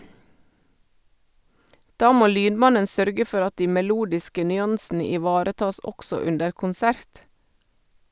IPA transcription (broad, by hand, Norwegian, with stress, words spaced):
ˈdɑː ˈmoː ˈlyːnˌmɑnən ˈsœɾɡə ˈfɔʁ ˈɑt ˈdiː mɛˈluːdɪskə nʏˈɑnsn̩ə ɪˈʋɑːɾəˌtɑːs ˈɔɡsɔ ˈʉndəɾ kʊnˈsæɾt